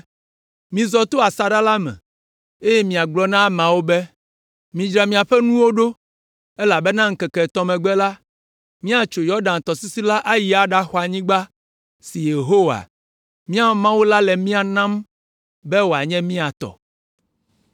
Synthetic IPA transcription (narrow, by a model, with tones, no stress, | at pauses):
mĩ˨zɔ˨t̪o˦a˨sa˨ɖa˦la˦mɛ̰̃˨ | e˦jɛ˦mĩ˨a˨ɡ͡blɔ˦nã˦mã˨wo˦bɛ˦ | mĩ˨d͡ʒɾa˨mĩ˨a˨ɸɛ˦nũ˦wo˦ɖo˦ | ɛ˦la˨bɛ˦nã˦ŋ̩˦kɛ˨kɛ˨t̪ɔ˦mɛ̃˨ɡ͡bɛ˦la˦ | mĩ˦a˨t͡ʃo˨jɔ˦ɖã˨n˨t̪ɔ˨si˦si˦la˦ʔa˦ji˦˨a˨ɖa˦xɔ˨a˨ɲĩ˦ɡ͡ba˦ | si˨je˨ɦo˦wa̰˨ | mĩ˦a˦mã˦wu˦la˦lɛ˨mĩ˦a˨nã˦m | bɛ˦wo˨a˨ɲɛ̃˦mĩ˦a˨t̪ɔ̰˨